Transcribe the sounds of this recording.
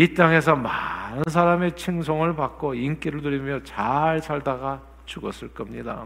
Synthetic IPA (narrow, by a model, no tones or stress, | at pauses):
it͈aŋe̞sʰʌmanɯns̬ʰaɾame̞t͡ɕʰiŋs̬ʰʌŋɯɭpak͈̚oink͈iɾɯɭt̬uɾimjʌt͡ɕaɭsʰaɭdaɡa | t͡ɕuɡʌ̰s͈ɯɭk͈ʌmɲida̰